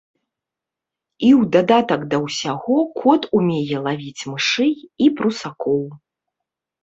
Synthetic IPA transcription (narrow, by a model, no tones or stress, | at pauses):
iwd̪ad̪at̪ɐkd̪ɐwsʲaɣɔkʰɔt̪umʲejɛlˠavʲit͡sʲmɨʂɨjipɾusakɔw